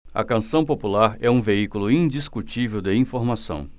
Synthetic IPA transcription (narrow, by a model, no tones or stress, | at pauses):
ɐ̰kɐ̃sɐ̃w̃populaɾɛũveikulʊĩd͡ʒiskut͡ʃivewd̪ɪĩfoɾmasɐ̰̃w̃